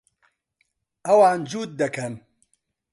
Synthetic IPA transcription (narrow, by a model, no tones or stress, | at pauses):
ʔɐwaːnd͡ʒuːt̪̚d̪ɐkʰɐn